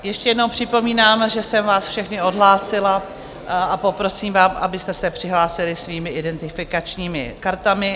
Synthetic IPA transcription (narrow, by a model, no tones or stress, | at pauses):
jɛʃcɛjɛdnowpr̝̥ɪpo̞miːnaːmʒɛsɛmvaːsfʃɛxnɪo̞dɦlaːsɪla | apo̞pɾo̞siːmvaːmʔabɪst̪ɛsɛpr̝̥ɪɦlaːsɪlɪsviːmɪʔɪdɛnt̪ɪfɪkat͡ʃɲiːmɪkaɾt̪amɪ